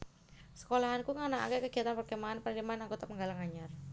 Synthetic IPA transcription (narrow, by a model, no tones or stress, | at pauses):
sə̥kolaɦankuŋənaa̰kɛkəɡ̥i̤at̪anpərɡəmaanpənəɾimaanaŋɡot̪apəŋɡalaŋaɲar